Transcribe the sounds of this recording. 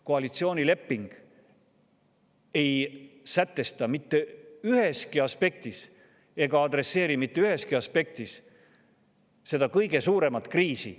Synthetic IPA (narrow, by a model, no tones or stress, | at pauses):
ko̞ɑlit̪sio̞ːnʲile̞pːiŋɡ̥ | e̞jsæt̪ːˑe̞st̪ɑmit̪ːe̞yɦe̞skiɑspe̞k̚t̪is | e̞ɡ̥ɑɑd̪re̞sːe̞ːɾimit̪ːe̞yhe̞skiɑspe̞k̚t̪is | se̞d̪̥ɑkɤjɡ̥e̞suːɾe̞mɑt̪ˑkriːsḭ